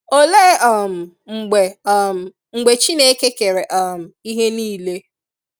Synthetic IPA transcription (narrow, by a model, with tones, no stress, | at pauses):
o˨le˦ɔ˦˨m̩˨ | ŋ͡m̩˨ɡ͡be˨˦˨m̩˨ | ŋ͡m̩˨ɡ͡be˨t͡ʃi˦ne˦ke˦ke˨ɾe˨ʔa˦˨m̩˨i˦ɦe˦niː˦˨le˦